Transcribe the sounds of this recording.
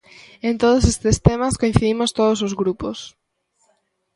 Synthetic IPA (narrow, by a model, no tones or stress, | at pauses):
ent̪oð̞ʊsest̪ɪst̪emaskoĩ̟θiðimʊst̪oðosozɣɾupos